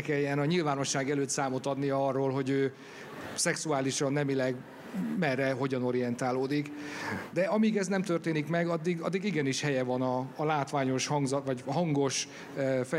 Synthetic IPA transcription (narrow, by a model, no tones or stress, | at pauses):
kɛjːɛnɒɲilvaːno̞ʃːaːɡɛløːt̪saːmo̞t̪ɒd̪nijɒɒrːoːlɦo̞ɟøː | sɛksuaːliʃɒnːɛmilɛɡ | mɛrːɛɦo̞ɟɒno̞ɾijɛnt̪aːloːd̪ikd̪ɛɒmiːɡɛznɛmt̪ørt̪eːnikmɛɡɒd̪ːiɡɒd̪ːiɡiɡɛniʃhɛjɛvɒnɒːlaːt̪ʋaːɲo̞ʃhɒŋɡzɒʋɒɟɦɒŋɡo̞ʃ | fɛ